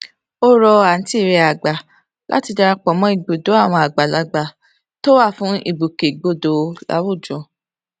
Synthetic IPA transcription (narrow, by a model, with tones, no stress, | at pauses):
o˦ɾɔ˧a˨n̩˦ti˦˨ɾe˧a˨ɡ͡ba˨ | lʔa̰˦ti˧da˧ɾa˧k͡pɔ˨mɔ̃˨˦i˦˨ɡ͡bo˨do˨˦a˦˨w̃ɔ̃˧a˨ɡ͡ba˨la˧ɡ͡ba˧˨ | to˦wa˦˨fũ˨˦ḭ˦˨bu˨ke˨ɡ͡bo˧do˨˦la̰˨˦wo˦˨d͡ʒɔ̃˨